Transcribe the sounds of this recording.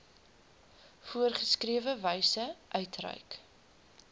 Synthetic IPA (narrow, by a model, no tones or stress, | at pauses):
fuərχəskriəvəvɛjsəʔœɥtrə̰ɥk